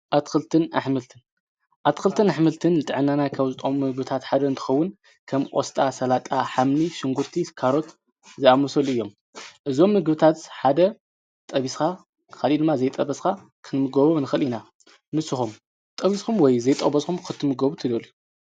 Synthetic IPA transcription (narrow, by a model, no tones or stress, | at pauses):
ʔat̪kɨlt̪ʰɨna̰ħmɨlt̪ʰɨn | ʔat̪kɨlt̪ʰɨnaħmɨlt̪ʰɨnːɨt̪ʼɨʕɨnːanajkʰaβzɨt̪ʼomːɨɡbɨt̪ʰat̪ħad̪ɐɨnt̪ʰɨ̥xɐwːʊn | kʰɐmʔʼost̪ʼasɐlat̪ʼaħamniʃɪŋɡuɾt̪ʰikʰaɾo̞t̪ | zjamɐsɐlɨjːo̞m | ʔɨzo̞mːɨɡbɨt̪ʰat̪ħad̪ɐ | t̪ʼɐβiska | kʰalid̪ɨmːazɐjt̪ʼɐbɐska | kʰɨnmɨɡoβɐβnɨxɐlina | mɨsɨxum | t̪ʼɐβiskumwɔjzɐjt̪ʼɐbɐskʰumkɨt̪ʰːɨmɨɡɐβut̪ʰɨd̪olju